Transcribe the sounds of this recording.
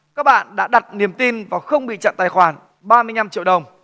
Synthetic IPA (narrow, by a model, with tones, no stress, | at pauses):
kaː˦˥k̚ɓa̰ː˧˨nɗa̰ː˧˥ɗa˨˩t̚ni˨˩əmt̪i˧nvaː˨˩xə˧wŋ͡mɓḭ˧˨t͡ɕə̰˧˨nt̪aː˨˩jxwaː˧˩n | ɓaː˧mɨ˧əjɲa˧mt͡ɕḭ˧˨əwɗə˨˩wŋ͡m